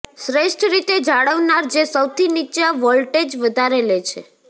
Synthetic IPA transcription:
sɾeʃʈʰɾit̪ed͡ʒaɽəʋnaɾd͡ʒesəwt̪ʰinit͡ʃaʋəlʈed͡ʒʋəd̪ʱaɾelet͡ʃʰḛ

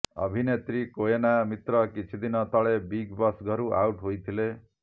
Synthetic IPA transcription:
ʌ̰bʱinet̪ɾikoenamit̪ɾɔkit͡ʃʰid̪inɔt̪ɔɭebiɡbɔsɡʱʌɾuʔa̰wʈɦojt̪ʰile

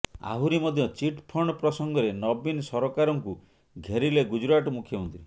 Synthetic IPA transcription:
a̰ɦuɾimɔd̪ʱjɔt͡ʃiʈpʰɔɳ̃ɔpɾɔsɔŋɡɔɾenɔbinsɔɾɔkaɾɔŋku | ɡʱeɾileɡud͡ʒɾaʈɔmukʰjɔunt̪ɾi

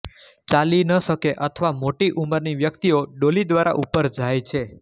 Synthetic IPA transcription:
t͡ʃalinəʃəkeʔət̪ʰəʋamoʈiʔuməɾniʋjək̚t̪ioɖolid̪ʋaɾa̰ʔupəɾd͡ʒʱajt͡ʃʰe

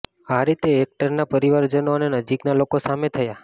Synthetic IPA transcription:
aɾit̪eːk̚ʈəɾnapəɾiʋaɾd͡ʒənonenəd͡ʒiknalokosamet̪ʰəja

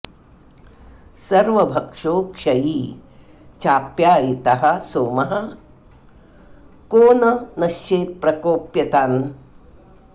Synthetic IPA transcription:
sɐɾʋɐbʱɐkʂoːkʂɐjiː | t͡ʃaːpjaːit̪ɐɦɐ̆soːmɐɦɐ̆ | koːnɐnɐʃt͡ʃeːt̪̚pɾɐkoːpjɐt̪aːn

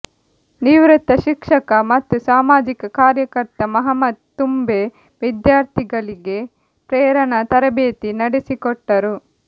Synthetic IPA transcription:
niʋɾut̪ːɐʃikʂɐkɐmɐt̪ːusaːmaːd͡ʒikɐkaːɾjɐkɐɾt̪ɐmɐɦɐmɐd̪̚t̪ːumbe | ʋid̪jaːɾt̪ʰiɡɐɭiɡe̞ | pɾɛːɾɐɳɐt̪ɐɾɐbeːt̪inɐɽesikɔʈːɐɾu

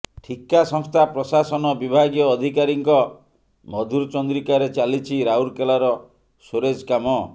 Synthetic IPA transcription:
ʈʰikasɔŋst̪ʰapɾɔsasɔnɔbibʱaɡjɔːd̪ʱikaɾiŋkɔ | mɔd̪ʱuɾt͡ʃɔnd̪ɾikaɾet͡ʃalit͡ʃʰiɾauɾkelaɾɔ | soɾed͡ʒkamɔ

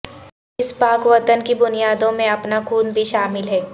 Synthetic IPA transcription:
ɪspaːkʋɐt̪ənkibʊnijaːd̪õmẽɐpnakuːnbʱiʃaːmɪlɦɛː

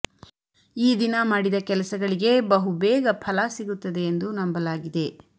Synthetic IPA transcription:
iːd̪inɐmaːɽid̪ɐkɛlɐsɐɡɐɭiɡebɐɦubɛːɡɐpʰɐlɐsiɡut̪ːɐd̪e̞ːnd̪unɐmbɐlaːɡid̪e̞

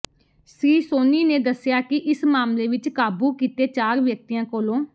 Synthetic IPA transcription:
siːsoːniːneːd̪əsɪjaːkɪʔɪsmaːmleːʋɪt͡ʃkaːbuːkiːt̪eːt͡ʃaːɾʋjək̚t̪iːjãːkoːlõː

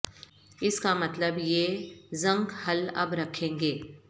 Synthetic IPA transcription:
ɪskamɐt̪ləbjeːzɐ̃ŋɡhɐlɐ̰bɾɐkʰẽːŋɡeː

